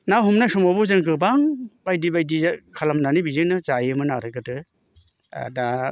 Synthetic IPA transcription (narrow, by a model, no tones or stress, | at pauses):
naɦumnasɔmabɔzɯŋkɯbaŋbajdibajdikʰalamnanibizɯnɯt͡ʃajɯmɯnaɾɯɡɯtɯ̰ | da